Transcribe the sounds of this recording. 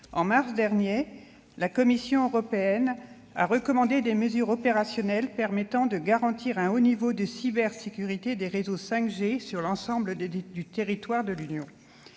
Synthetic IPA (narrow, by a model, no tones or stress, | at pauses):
ɑ̰̃maʁsd̪ɛʁnje | lakɔmisjɔ̃øʁɔpeɛn | a̰ʁəkɔmɑ̃d̪ed̪eməzyʁɔpeʁasjɔnɛlpɛʁmɛt̪ɑ̃d̪əɡaʁɑ̃t̪iʁɛ̃onivod̪əsibɛʁsekʲyʁit̪ed̪eʁezosɛ̃kʒesyʁlɑ̃sɑ̃bləd̪yt̪eʁit̪waʁd̪əlynjɔ̃